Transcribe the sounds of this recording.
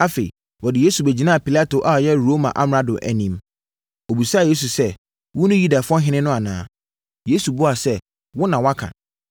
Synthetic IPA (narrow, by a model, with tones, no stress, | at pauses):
a˦fe˨i˨ | wɔ˨dɪ˨je˦su˨be˨d͡ʑi˨nã˦˨pʰi˨la˦to˨ʔa˨ɔ˨jɛ˦ɾo˦mã̰˨ʔa˦mɾa˦dʊ̰˨ʔæ̰˨nĩ˨m | o˨bi˨sa˦˨je˦s̬u˨sɛ˦ | wʊ̃˦nʊ̃˦ju˦da˨fʊ˦ɔ̃˦ɦɪ̃˦nɪ̃˦nʊ̃˦a˨nã̰ː˦ | je˦su˨bʊ˦a˨sɛ˦ | wʊ˦nã˨wa˦kʰã̰˨